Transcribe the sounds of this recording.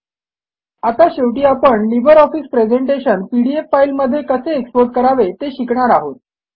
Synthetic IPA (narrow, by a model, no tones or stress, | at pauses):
at̪aɕeʋʈiːapəɳlibəɾɔfispɾed͡zeɳʈeɕənpiɽiefːailməd̪ʱːjekəseːkspoɾʈ̚kəɾaʋet̪eɕikɳ̃aɾaɦot̪̚